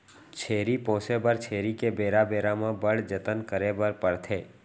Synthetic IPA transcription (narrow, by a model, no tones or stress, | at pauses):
t͡ʃʰeːɾipõːsebəɾt͡ʃʰeːɾikebeːɾabeːɾamãbəɽd͡ʒət̪ənkəɾebəɾpəɽt̪ʰeː